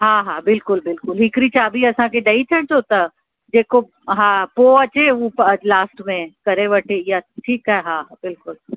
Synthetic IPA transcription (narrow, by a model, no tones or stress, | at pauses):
ɦãːɦãbɪlkʊlbɪlkʊlɦɪkɾit͡ʃʰaːbʱiɐsãkeɖɐit͡ʃʰɐɽt͡ʃoːt̪a | d͡ʒeːko | ɦãːpoːɐt͡ʃeʋoplaːsʈmẽkɐɾeʋəʈʰejaʈʰiːkaɦɛɦãabɪlkʊl